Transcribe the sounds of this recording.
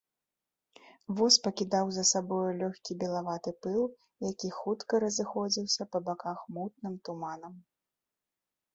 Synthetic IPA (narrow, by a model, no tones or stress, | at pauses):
vɔspɐkʲid̪awzɐsabɔjulʲɔxʲkʲibʲɛlˠavat̪ɨpɨlˠ | jakʲixut̪kɐɾɐzɨxɔd͡zʲiwsʲɐpɐbakaxmut̪̚nɨmt̪umanɐm